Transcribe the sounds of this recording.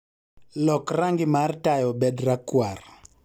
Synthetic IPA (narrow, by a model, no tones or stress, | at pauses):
lɔkraŋɡɪmartajɔbɛdrakwar